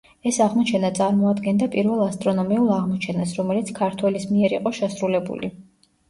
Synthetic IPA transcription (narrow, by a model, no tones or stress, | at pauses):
ɛsaʁmɔt͡ʃʰɛnat̪sʼaɾmɔad̪ɡɛnd̪apʼiɾvɛlˠast̪ʼɾɔnɔmiulˠaʁmɔt͡ʃʰɛnasɾɔmɛlit̪sʰkʰaɾt̪ʰwɛlismiɛɾiqʼɔʃɛsɾulɛbṵlḭ